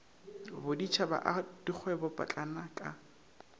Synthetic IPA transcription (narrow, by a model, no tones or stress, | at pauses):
bʊdit͡ʃʰaba̰ʔd̥ik͡xʰwɛbɔpʼa̰t͡ɬʼanakʼa